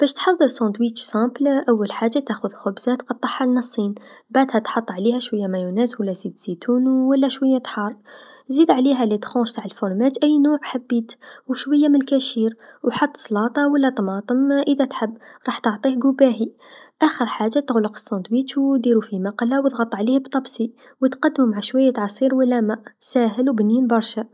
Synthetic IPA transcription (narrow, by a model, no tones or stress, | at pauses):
b̥æʃt̪ħɑðˤːəɾˤsɑ̃d̪wisæplʔæwːælħaʒːat̪æxʊðxʊbz̥æt̪qɑd̪ˤːɑħːɑlnɑsˤːin | baʕd̪hæt̪ħɑt̪ˤːʕlihæʃwəjːæmæjʊnæzwəlːæzid̪z̥it̪unwəlːæʃwəjːæt̪ħɑɾˤ | zid̪ʕliɦælit̪xõʃt̪aʕəlfoɾmæt̪ʔæjːnuːʕħabːit̪wʃwəjːæmənəlkæʃiɾwħɑt̪ˤːsˤlɑt̪ˤɑwəlːæt̪ˤmɑt̪ˤəmʔəðæt̪ħəbːɾˤɑħt̪oʕt̪ˤihɡʊbæɦi | ʔæxəɾħaʒːat̪əɣləqə̥sɑnd̪ˤwit̪wd̪iɾufimɑqlawət̪ɣɑt̪ˤːʕlihbt̪ˤɑbsi | wət̪qɑd̪ːmumaʕaʃwæjːæt̪ʕɑsˤiɾwəlːæmæsæɦəlwbninbɑɾˤʃæ